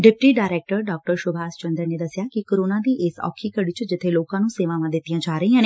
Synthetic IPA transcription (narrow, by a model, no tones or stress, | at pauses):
ɖɪp̚ʈiːɖaːɾɛːk̚ʈəɾɖɔːk̚ʈəɾʃʊbʱaːst͡ʃə̃nd̪ɾəneːd̪əsjaːkikoːɾoːnãːd̪iːʔeːsɔ̰ːkʰiːkəɽit͡ʃd͡ʒɪt̪ʰeloːkãːnũːseːʋãʋãːd̪ɪt̪ijãːt͡ʃaːɾəiːãːneː